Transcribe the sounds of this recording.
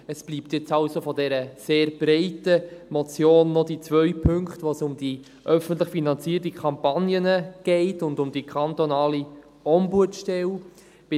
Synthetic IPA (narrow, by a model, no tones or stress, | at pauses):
əsb̥liːptjɛt͡sɑlsofɔdɛɾəseːɾb̥ɾɛɪtəmɔt͡sjoːnːɔd̥it͡sʋœʏpʰɵŋkχtʋoːsʊmdi | ʔœfən̩tləχfinɑnt͡siːərtikʰɑmpɑnjənəɡ̥ɛɪtʊndʊmd̥ikʰɑnt̪onɑːli | ɔmbuətʃtɛl | b̥ɪ